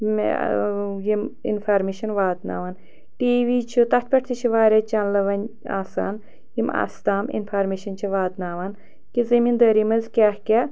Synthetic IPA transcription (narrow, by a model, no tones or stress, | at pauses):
jimḭnfʰaːɾmeːʃɐnʋaːt̪na̰ːʋaːn | ʈiːʋiːt͡ʃʰut̪ɐt̪ʲpʲɐʈt̪ʰit͡ʃʰiʋaːɾʲet͡ʃʰɐnlɐʋɐn | a̰ːsa̰ːn | jima̰ːst̪aːmḭnfʰaːɾmeːʃɐnt͡ʃʰiʋaːt̪naːʋan | kizɐmind̪ɐːɾimɐzkʲaːhkʲe